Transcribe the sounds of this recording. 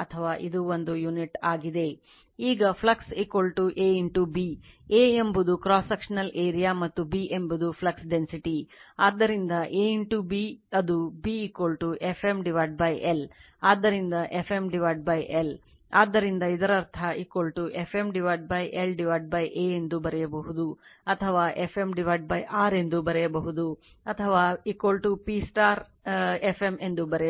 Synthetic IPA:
ɐt̪ʰɐʋaːʔid̪uʋond̪ujuniʈaːɡid̪e̞ | iːɡɐpʰlɐksikʋɐlʈuʔeːiɳʈubieːembud̪ukɾaːsɐkʂɐnɐleːɾijaːmɐt̪ːubiʔembud̪upʰlɐksɖensiʈiaːd̪ːɐɾind̪ɐʔeːiɳʈubiɐd̪ubiːkʋɐlʈuʔefʰemɖiʋaːɖ̚bɐjʔel | aːd̪ːɐɾind̪ɐʔefʰe̞mɖiʋaːjɖ̚bɐjʔel | aːd̪ːɐɾind̪ɐid̪ɐɾɐɾt̪ʰɐikʋɐlʈuʔefemɖiʋaːjɖ̚bɐjʔelɖiʋaːɖ̚bɐjʔeːend̪ubɐɾɛjɐbɐɦud̪uɐt̪ʰɐʋaːʔefemɖiʋaːjɖ̚bɐjʔaːɾe̞nd̪ubɐɾɛjɐbɐɦud̪u | ɐt̪ʰɐʋaːikʋɐlʈupisʈaːɾ | efeme̞nd̪ubɐɾɛjɐ

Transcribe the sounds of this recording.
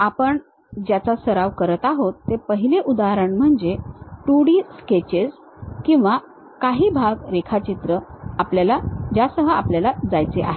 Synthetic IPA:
apəɳ | d͡ʑjat͡sasəɾaʋkəɾət̪aɦot̪ːepəɦileʔud̪aɾəɳm̤əɳd͡zeʈuɽiːsket͡ɕes | kĩw̃ʋa | kaɦiːbʱaɡɾekʰat͡ɕit̪ɾəapljalad͡ʑasəɦəapljalad͡zajt͡seʔa̰ɦe

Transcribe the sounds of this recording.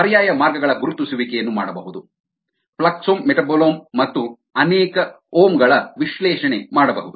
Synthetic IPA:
ɐɾjaːjɐmaːɾɡɐɡɐɭɐɡuɾut̪ːusuʋikɛjɐnːumaːɽɐbɐɦud̪u | pɭɐksoːmːeʈɐboloːmːɐt̪ːu | ɐnɛːkɐ | oːmɡɐɭɐʋiʃlɛːʂɐnemaːɽɐbɐɦud̪u

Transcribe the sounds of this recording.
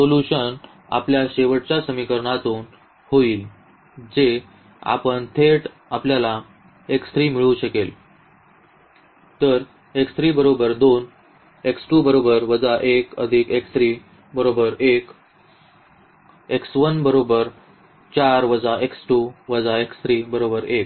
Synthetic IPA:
soluɕən | a̰pljaɕeʋəʈt͡ɕjasəmikəɾɳat̪uːn | hoiːl | d͡ʑe | a̰pəɳt̪ʰeʈ | apljala | ekst̪ʰɾiːmiɭũɕəkel | t̪əɾ | ekst̪ʰɾiːbəɾobəɾd̪on | eksʈuːbəɾobəɾʋəd͡zaʔekə̰d̪ʱikekst̪ɾiː | bəɾobəɾek | eksʋənbəɾobəɾ | t͡ɕaɾʋəd͡zaʔeksʈuʋəd͡zaekst̪ʰɾiːbəɾobəɾek

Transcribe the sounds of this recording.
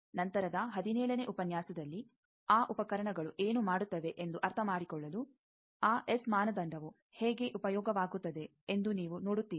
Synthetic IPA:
nɐnt̪ɐɾɐd̪ɐɦɐd̪inɛːɭɐne̞ʔupɐnjaːsɐd̪ɐlːi | aːʔupɐkɐɾɐɳɐɡɐɭuʔeːnumaːɽut̪ːɐʋe̞ʔend̪uʔɐɾt̪ʰɐmaːɽikɔɭːɐlu | aːʔesmaːnɐd̪ɐɳɖʱɐʋu | heːɡe̞ʔupɐjɔːɡɐʋaːɡut̪ːɐd̪e̞ | end̪uniːʋunoːɽut̪ːiːi

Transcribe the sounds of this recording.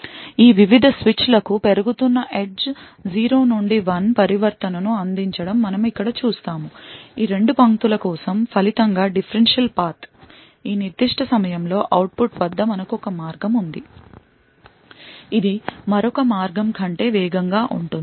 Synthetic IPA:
iːʋiʋid̪ʱɐsʋit͡ʃlɐkupe̞ɾuɡut̪unːɐʔeɖs | d͡ʒiːɾo̞ːnuɳɖiʋɐnpɐɾiʋɐɾt̪ɐnɐnuɐnd̪iɲt͡ʃɐɽɐmːɐnɐmikːɐɽɐt͡ʃuːst̪aːmuiːɾe̞ɳɖupɐŋt̪ulɐkɔːsɐmpʰɐlit̪ɐŋɡaːɖipʰɐɾenʂɐlpaːɾt̪ | iːniɾd̪iʂʈʰɐsɐmɐjɐmlo̞ːʔɐwʈ̚puʈʋɐd̪ːɐmɐnɐkuɔkɐmaːɾɡɐmund̪i | id̪imɐɾɔkɐmaːɾɡɐmkʰɐɳʈe̞ːʋɛːɡɐŋɡaːʔuɳʈund̪i

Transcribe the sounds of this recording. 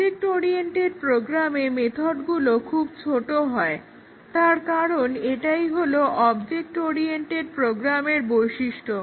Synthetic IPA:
ek̚ʈoɾieɳʈeɾ̚pɾoɡɾamemet̪ʰoɖɡulokʰub̚t͡ɕʰoʈoɦɔe | t̪aɾkaɾoneʈajɦoloʔɔbd͡ʑek̚ʈɔɾieɳʈeɾpɾoɡɾameɾbojʃiʃʈʰo

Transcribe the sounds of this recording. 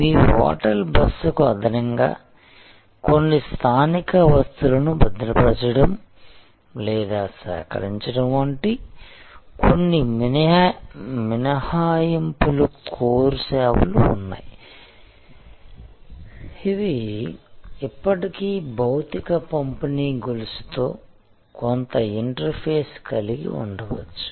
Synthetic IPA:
iʋɔ̰ːʈɐlbɐsɐkuɐd̪ʱɐnɐŋɡa̰ː | konːist̪ʰaːnikɐʋɐst̪ulɐnubɐd̪ɾɐpɐt͡ʃɐɽɐm | lɛːd̪aːsɛ̰ːkɐ̰ɾiɲt͡ʃɐɽɐmɐɳʈi | kʰonːiminɐ | minɐhaːjɐmpulukʰoːɾusɛːʋṵlṵːnːa̰ːji | id̪i | ipːɐʈikiːbɐwt̪ikɐpɐmpɐniːɡulust̪o̞ː | kont̪ɐiɳʈɐɾpʰeːskɐliɡḭṵɳɖɐʋɐ̰t͡ʃːu̥

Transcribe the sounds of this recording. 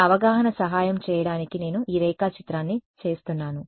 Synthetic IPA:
ɐʋɐɡaːɦɐnɐsɐɦaːjɐmt͡ʃɛːjɐɽaːnikine̞ːnuʔiːɾɛːkaːt͡ʃit̪ɾaːnːit͡ʃe̞ːst̪unːaːnu

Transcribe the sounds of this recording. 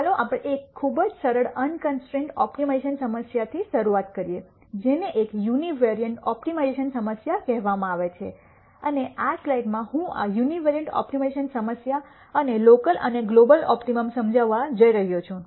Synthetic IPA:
ɦəloʔapəɽeekʰːubəd͡ʒsəɾəɽənkənsʈɾẽɳʈɔpʈimeʃənsəməsjat̪ʰiʃəɾuat̪kəɾije | d͡ʒeneʔekjuniʋeɾijəɳʈɔp̚ʈimaeʃənsəməsjakɛɦʋamãaʋet͡ʃʰḛ | əneaslajɖmãɦũa̰juniʋeɾijəɳʈɔ̰pʈimeʃənsəməsja | ənelokəlʔə̰neɡlobəlɔ̰pʈiməmsəmd͡ʒaʋad͡ʒəiɾəɦjot͡ʃʰũ

